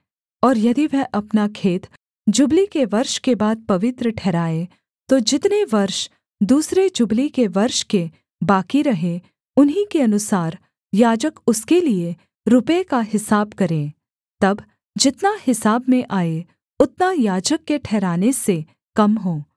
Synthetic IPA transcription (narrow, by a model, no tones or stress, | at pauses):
ɔːɾjɐd̪iʋɛɦʔɐpnakʰeːt̪ | d͡ʒʊblikeʋɐɾʃkebaːd̪̚pɐʋɪt̪ɾəʈʰɛːɾaːe | t̪od͡ʒɪt̪neʋɐɾʃ | d̪uːsɾed͡ʒʊblikeʋɐɾʃke | baːkiɾɐɦẽ | ʊnɦĩkeɐnʊsaːɾ | jaːd͡ʒəkʊskelie | ɾʊpekaɦɪsaːbkɐɾẽː | t̪ɐb | d͡ʒɪt̪nahɪsaːbmẽʔaːe | ʊt̪najaːd͡ʒəkːeʈʰɛːɾaːnese | kɐmɦoː